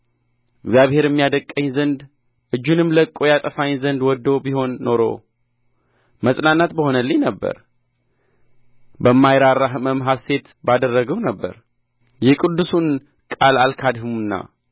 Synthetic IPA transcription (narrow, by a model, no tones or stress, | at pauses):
ɪɡzjaβhe̞ɾɛmːijad̪əkʼːəɲzənd̪ | ʔɨd͡ʒːunɨmləkʼːo̞jat̪ʼəfaɲzənd̪wɔd̪ːo̞biho̞nːo̞ɾo̞̰ | məsʼnanːat̪bəho̞nəlːiɲnəbːə̰ɾ | bəmːajɾaɾaɦməmɦase̞t̪ | bad̪ərːəɡəwnəbːə̰ɾ | jɛkʼɨd̪ːusun | kʼalalkʰad̪hmunːa̰